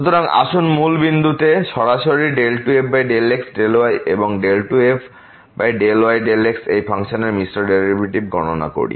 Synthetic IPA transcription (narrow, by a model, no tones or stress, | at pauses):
ut̪oɾaŋa̰ʃunmulbind̪ʱut̪eʃɔɾaʃoɾiɖelʈuepʰbajɖeleksɖeloajʔḛboŋɖelʈuepʰ | bajɖeloajɖeleksejpʰaŋʃoneɾmisʈoɾɖeɾibiʈib̚ɡʱɔnona̰ko̰ɽḭ